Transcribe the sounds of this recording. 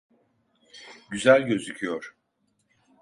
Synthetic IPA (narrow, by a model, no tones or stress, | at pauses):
ɟyzælʲɟø̞zycʰijoɾ̥